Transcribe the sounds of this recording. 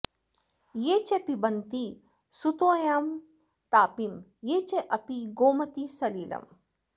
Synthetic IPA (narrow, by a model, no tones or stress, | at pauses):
jeːt͡ʃepibɐnt̪i | sut̪oːjaːm | t̪aːpimjeːt͡ʃeʔɐpiɡoːmɐt̪isɐliːlɐ̰m